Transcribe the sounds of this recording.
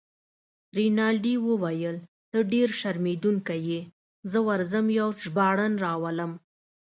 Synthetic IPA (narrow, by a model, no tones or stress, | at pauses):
ɾinɑlɖiwəwajəl | t̪əɖeɾʃaɾmed̪uŋkaje | zəwaɾzəmjawʒbɑɽənɾɑwaləm